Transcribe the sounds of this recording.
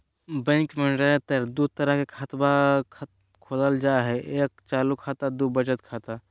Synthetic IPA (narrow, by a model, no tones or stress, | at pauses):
bɛ̃ŋkmə̃nd͡ʒaːet̪eɾd̪ut̪əɾəɦkekʰat̪bakʰ | kʰoːləld͡ʒaːɦɛʔeːk̚t͡ʃaːlukʰaːt̪ad̪ubəd͡ʒət̪kʰaːt̪a